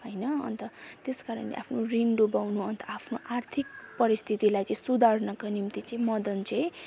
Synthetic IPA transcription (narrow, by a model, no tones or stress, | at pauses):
ɦʌjnʌʌ̰nt̪ʌt̪eskaɾʌ̰nlḛʔa̰pʰnoriɳɖobawnuʌnt̪ʌapʰnoʔart̪ʰik̚pʌɾist̪ʰit̪ilajt͡sʌ̃ĩsud̪ʱarnʌkanimt̪it͡sʌĩmʌd̪ʌnt͡sʌ̃j